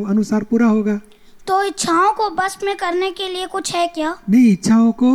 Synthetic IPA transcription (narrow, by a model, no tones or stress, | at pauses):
ɐnʊsaːɾpuːɾaɦoːɡaː | t̪oɪtːʃʰaːõkobɐsmẽkɐɾnekeliekʊt͡ʃʰɦɛkjaːnɐɦĩɪtːʃʰaõko